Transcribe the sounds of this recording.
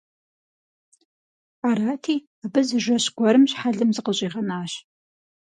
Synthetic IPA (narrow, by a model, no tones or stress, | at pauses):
aːɾaːtʰiː | abɨzɨʒʷɐɕɡʷɔɾɨmɕħaɮɨmzɨqəɕʼiːʁɐnaːɕ